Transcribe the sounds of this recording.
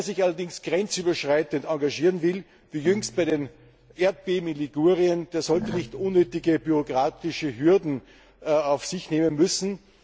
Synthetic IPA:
ɐzɪçalɐdɪŋsɡ̥ʁɛnt͡syːbɐʃʁaɪtəntãŋɡaʒiːʁənvɪl | viːjʏŋst̚b̥aɪden | ʔeɐt̚b̥eːbm̩ɪnliɡuːʁiənd̥eːɐzɔltənɪçtʔʊnːøːtɪɡəbyʁoɡʁaːtɪʃəɦyɐdn̩ | aʊfsɪçneːmənmʏsn̩

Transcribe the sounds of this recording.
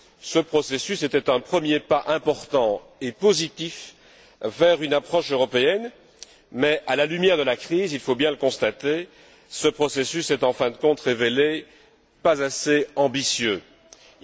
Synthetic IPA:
səpχɔsesyset̪ɛt̪ɛ̃pχəmjepaʔɛ̃pɔʁt̪ɑ̃ | epozit̪if | vɛʁynapχɔʃøʁɔpeɛn | mɛʔalalymjɛʁd̪əlakχizilfobjɛ̃ləkɔ̃st̪at̪e | səpχɔsesysɛt̪ɑ̃fɛ̃d̪əkɔ̃t̪ʁevele | pazaseɑ̃bisjø

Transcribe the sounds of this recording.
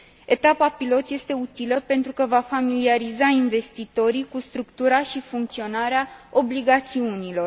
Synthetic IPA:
e̞t̪apapilo̞t̪je̞st̪e̞ut̪iləpe̞nt̪ɾukəvafamiliaɾizainve̞st̪it̪o̞ɾikust̪ɾukt̪uɾaʃifuŋk̚t̪sio̞naɾeaobliɡat̪siunilo̞r

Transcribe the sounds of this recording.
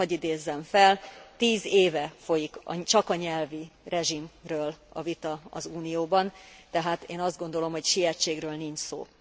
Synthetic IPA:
ɒɟid̪eːzːɛɱfɛlt̪iːzeːvɛfo̞jikɒ̰t͡ʃɒkɒɲɛlvirʔɛʒimrøːlɒ̰vit̪ɒɒ̰zuːnijoːbɒnt̪ɛɦaːt̪eːnɒzd̪̚ɡo̞nd̪o̞lo̞mɦo̞cʃiɛt͡ʃːeːɡrøːlniɲt͡ʃso̰ː

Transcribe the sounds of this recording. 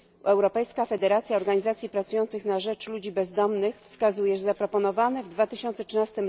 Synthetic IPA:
ɛwɾɔpɛjskafɛd̪ɛɾat̪sʲjaɔɾɡaɲizat̪sʲjipɾat̪sujɔnt̪sɘxnaʐɛt͡ʂlud͡ʑibɛzd̪ɔmnɘxfskazujɛʐzapɾɔpɔnɔvanɛvd̪vat̪ɘɕɔ̃nt̪sɛtʂɘnast̪ɘm

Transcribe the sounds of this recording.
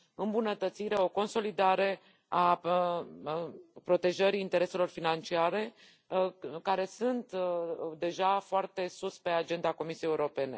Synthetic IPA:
ɨmbunət̪ət̪siɾe̞o̞ko̞nso̞lid̪aɾe̞ | a | pɾo̞t̪e̞ʒəɾiːnt̪e̞ɾe̞se̞lo̞rfinant͡ʃiaɾe̞ | kaɾe̞sunt̪d̪e̞ʒafoart̪e̞suspe̞ad͡ʒe̞nd̪ako̞misijejuɾo̞pe̞ne̞̰

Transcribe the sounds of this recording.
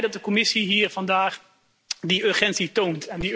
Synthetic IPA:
dɑt̚dəkɔmɪsiɦiːɹv̥ɑndaːχ | diøɹχɛntsitowntɛndi

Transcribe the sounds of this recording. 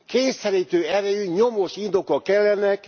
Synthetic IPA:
keːsɛɾiːt̪øːɛɾɛyɲomoʃind̪o̞kɒkːɛlːɛnɛk

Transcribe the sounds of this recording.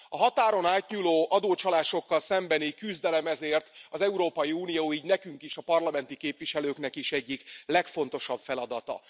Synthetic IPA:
ɒɦɒt̪aːɾo̞naːt̪ɲuːloːʔɒd̪oːt͡ʃɒlaːʃo̞kːɒlsɛmbɛnikyzd̪ɛlɛmɛzeːrt̪ɒzɛuɾoːpɒjiuːnijoːiːɟnɛkyŋkiʃɒpɒrlɒmɛnt̪ikeːpʋiʃɛløːknɛkiʃɛɟːiklɛkfo̞n̪t̪o̞ʃɒbfɛlɒd̪ɒt̪ɒ̰

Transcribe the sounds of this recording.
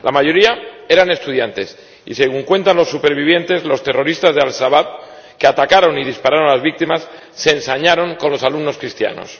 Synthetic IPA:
lamaʝo̞ɾiae̞ɾane̞st̪uð̞jant̪e̞s | ḭse̞ɣ̞uŋkwe̞nt̪anlo̞sːupe̞ɾβiβ̞je̞nt̪e̞zlo̞st̪e̞ro̞ɾist̪azðealʃaβap̚ | ke̞at̪akaɾo̞niðispaɾaɾoalazβik̚t̪imasː | e̞ːnsaɲaɾo̞ŋko̞nlo̞salumno̞skɾist̪ja̰no̞̰s

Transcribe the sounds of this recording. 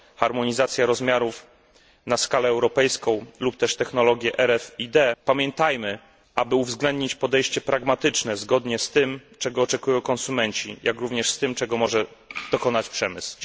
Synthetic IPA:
xaɾmɔɲizat̪sʲjaɾɔzmʲjaɾuf | naskalɛːwɾɔpɛjskɔ̃w̃lup̚t̪ɛʂt̪ɛxnɔlɔɡʲjɛʔɛɾɛfid̪ɛpamʲjɛnt̪ajmɘ | ʔabɘuvzɡlɛnd̪̚ɲit͡ɕpɔd̪ɛjɕt͡ɕɛpɾaɡmat̪ɘt͡ʂnɛzɡɔd̪ɲɛst̪ɘmt͡ʂɛɡɔːt͡ʂɛkujɔ̃w̃kɔ̃nsumɛɲt͡ɕḭjʔakɾuvɲɛʂst̪ɘmt͡ʂɛɡɔmɔʐɛd̪̥ɔkɔnat͡ɕpʂɛmɘ̰s

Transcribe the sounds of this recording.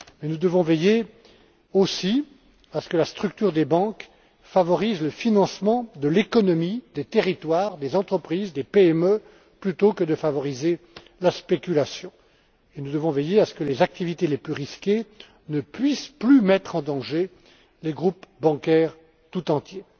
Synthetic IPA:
mɛnud̪əvɔ̃veje | osi | asə̥kəlast̪χyk̚t̪yʁd̪ebɑ̃k | favɔʁizləfinɑ̃smɑ̃d̪əlekɔnɔmid̪et̪eʁit̪waʁd̪ezɑ̃t̪χəpχizd̪epeɛmø | plyt̪okəd̪əfavɔʁize | laspekʲylasjɔ̃ | enud̪əvɔ̃vejeasə̥kəlezak̚t̪ivit̪eleplyʁiskʲe | nəpɥisplymɛt̪χɑ̃d̪ɑ̃ʒe | leɡʁupbɑ̃kʲɛʁ | t̪ut̪ɑ̃t̪je

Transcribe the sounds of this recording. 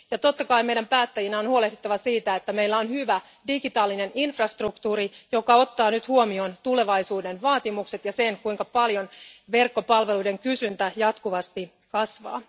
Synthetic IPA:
jɑt̪o̞t̪ːɑkɑimeidæmpæːt̪ːæjinæonhuo̞lehd̪it̪ːɑʋɑsiːt̪æet̪ːæme̞ilːæonhyʋæ | diɡ̥it̪ɑːlːine̞ninfrɑst̪rukt̪uːɾijo̞kɑo̞t̪ːɑːnyt̪huomio̞nt̪ule̞ʋɑjsuːde̞nʋɑːt̪imukset̪jɑse̞ŋkuiŋkɑpɑljo̞nʋe̞rkːo̞pɑlʋe̞lujde̞ŋkysynt̪æjɑt̪kuʋɑst̪i | kɑsʋɑ̰ː

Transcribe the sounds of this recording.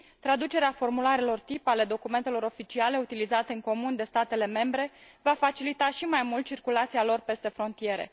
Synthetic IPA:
t̪ɾad̪ut͡ʃe̞ɾeafo̞rmulaɾelo̞rt̪ipale̞d̪o̞kume̞nt̪e̞lo̞ɾo̞fit͡ʃiale̞ut̪ilizat̪eɨŋko̞mund̪e̞st̪at̪e̞le̞me̞mbɾe̞ | vafat͡ʃilit̪aʃimajmult̪t͡ʃirkulat̪sijalo̞rpe̞st̪e̞fɾo̞nt̪ije̞ɾḛ

